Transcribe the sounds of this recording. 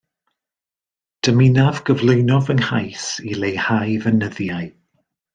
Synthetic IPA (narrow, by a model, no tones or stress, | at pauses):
d̥əmɪnavɡəvlˠʊjnɔðənhajsilejhajvənəðjaɨ